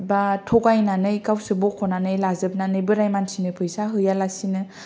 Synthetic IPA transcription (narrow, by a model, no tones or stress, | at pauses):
batʰɔkajnanɯjkawsɯbɔkʰːɔnanɯjlazɯb̚nanɯjbɯɾajmansinɯpʰɯjsaɦɯjalasinɯ